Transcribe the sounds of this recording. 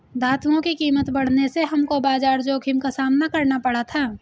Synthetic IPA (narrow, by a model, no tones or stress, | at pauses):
d̪ʱaːt̪ʰuõkikiːmət̪bɐɽ̤neseɦɐmkobaːd͡ʒaːɾd͡ʒoːkʰɪmkasaːmnakɐɾnapɐɽ̤at̪ʰaː